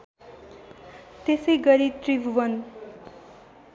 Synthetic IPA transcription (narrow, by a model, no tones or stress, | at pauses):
t̪esʌjɡʌɾit̪ribʱubʌn